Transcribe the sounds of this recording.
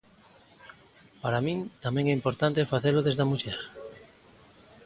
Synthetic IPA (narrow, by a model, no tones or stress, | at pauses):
paɾamĩŋt̪amẽŋɛimpoɾt̪ant̪efaθeloðezðamuʎɛɾ